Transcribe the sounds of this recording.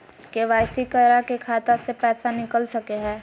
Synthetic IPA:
keʋaːɪsikəɾakekʰaːt̪asepɛːsanɪkəlsɐkeɦɛ̃ː

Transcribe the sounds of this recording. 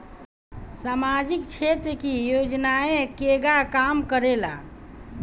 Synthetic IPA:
samad͡ʒikt͡ʃʰet̪ɾəkijod͡ʒnaẽkeɡakamkəɾela

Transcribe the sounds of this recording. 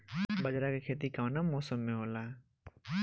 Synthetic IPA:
bɐd͡ʒɾakekʰeːt̪̬ikaːnamɔːsəmːẽɦoːlaː

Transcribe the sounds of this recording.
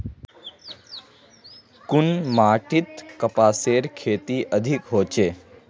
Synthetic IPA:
kʊnmaːʈit̪kəpaːseːɾkʰeːt̪iʔəd̪ʱikɦoːt͡ʃeː

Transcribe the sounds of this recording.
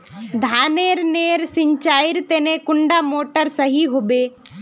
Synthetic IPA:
d̪ʱaːneːɾneːɾsɪɲt͡ʃaːɪɾt̪eːnẽkʊɳɖamoːʈəɾsəɦiɦobeː

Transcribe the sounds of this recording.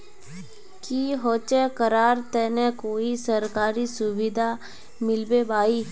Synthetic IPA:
kiːɦoːt͡ʃɛːkəɾaːɾt̪ɛːnɛ̃koːisəɾkaːɾiːsʊʋid̪ʱaː | mɪlbeːbaːiː

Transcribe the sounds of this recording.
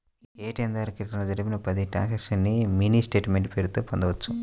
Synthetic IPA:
eːʈiɐnd̪aːɾkiɾt̪ɐnlod͡ʒɐɾibinɐpɐd̪iʈa̰ːnsɐkʂɐnːimiːnisʈeːʈmeɳʈpeːɾut̪uːpond̪ɐʋɐt͡ʃːu

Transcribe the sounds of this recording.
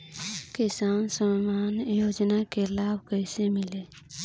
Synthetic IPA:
kɪsaːnsəmmaːnjoːd͡ʒnakelaːbʱkəɪsemɪleː

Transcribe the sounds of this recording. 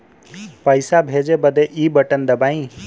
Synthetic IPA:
pəjsabʱed͡ʒebəd̪eʔiːbəʈənd̪əbaːĩ

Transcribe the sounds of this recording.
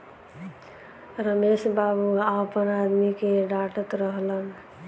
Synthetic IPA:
ɾəmesbabuapənad̪mikeɖaʈət̪ɾəɦlən

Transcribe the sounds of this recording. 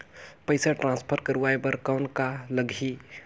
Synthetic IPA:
pəɪsaʈɾãnspʰəɾkəɾuʋajbəɾkaʊnkaləɡʱi

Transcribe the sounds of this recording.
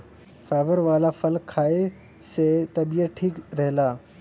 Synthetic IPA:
faːʋəɾʋaːlafɐlkʰːaːe | set̪ɐbijəʈʰiːkɾɛɦlaː

